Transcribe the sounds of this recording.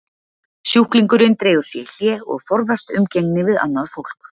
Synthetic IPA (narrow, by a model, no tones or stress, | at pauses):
sjuhkliŋkʏɾɪnt̪ɾeːjɣʏɾ̥θjɛljɛɔ̰ɣfɔɾvar̥t̪ʏmceŋnɪvɪða̰nːaðfowl̥k